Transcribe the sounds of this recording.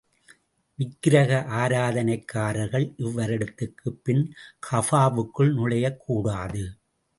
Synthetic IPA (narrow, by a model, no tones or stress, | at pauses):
ʋɪkːɪɾɐɣɐʔaːɾaːðɐnɐɪkːaːɾɐɾɣɐɭʔɪʋːɐɾɛɽɯt̪ːɯkːɯpːɪnkʰɐfaːʋɯkːɯɭnʊɭɐjɐkʰːuːɽaːðɯ